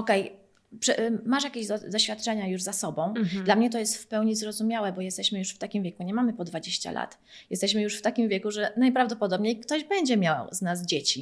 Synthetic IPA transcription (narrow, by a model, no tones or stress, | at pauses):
ɔkɛj | pʂɛmaʂjakʲeʑd̪ɔɕfʲjat̪̚t͡ʂɛɲajuʐzasɔbɔ̃w̃d̪lamɲɛt̪ɔjɛst̪fpɛwɲizɾɔzumʲjawɛbɔjɛst̪ɛɕmɘjuʂft̪akʲimvʲjɛkuɲɛmamɘpɔd̪vad͡ʑeɕt͡ɕa̰la̰t̪ | jɛst̪ɛɕmɘjuʂft̪akʲimvʲjɛkuʐɛnajpɾavd̪ɔpɔd̪ɔbɲejkt̪ɔʑbɛɲd͡ʑɛmʲjawznaz̬d͡ʑet͡ɕi